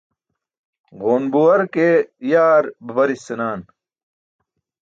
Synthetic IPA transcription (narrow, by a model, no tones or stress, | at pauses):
ɣoːnbuwɐɾkejaːɾbɐbɐɾisenaːn